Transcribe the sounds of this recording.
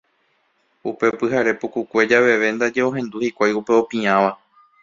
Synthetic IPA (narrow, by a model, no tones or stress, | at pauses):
upe̞pɨɦaɾe̞pukukʷe̞d͡ʒaʋe̞ʋe̞nd̪ad͡ʒe̞o̞ɦẽ̞nd̪uhikʷajupe̞o̞pĩãʋa